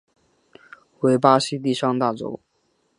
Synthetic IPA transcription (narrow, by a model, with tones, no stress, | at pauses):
we˧˥ɪpa˥ɕi˥t̪̬i˥˩ʂɑ˥˧ŋt̪a˥˩ʈ͡ʂo̰˥ʊ